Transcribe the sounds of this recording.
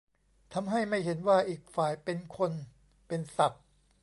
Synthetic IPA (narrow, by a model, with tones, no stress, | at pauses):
t̪ʰa˧mɦa˥˩jma˥˩jɦe˩˦nwaː˥˩ʔiː˨˩k̚faː˨˩jpe˧nkʰo˧n | pe˧nsa˨˩p̚